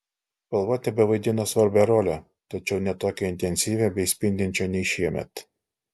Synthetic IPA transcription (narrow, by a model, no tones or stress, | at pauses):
pɐlˠʋoːt̪ʲɛbʲɛʋɐɪd̪ʲɪnosʋɐɾʲbʲɛɾoːlʲɛ | t̪ɐt͡ʃʲɛʊnʲɛt̪oːkʲɛɪnʲt̪ʲɛnʲsʲiːʋʲeːbʲɛɪsʲpʲɪnʲd̪ʲɪnʲt͡ʃʲoːnʲɛɪʃʲiɛmʲɛ̰t̪